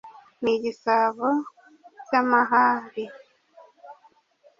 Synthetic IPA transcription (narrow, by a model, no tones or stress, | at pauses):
niɟisaβo | ɟamaɦaːɾi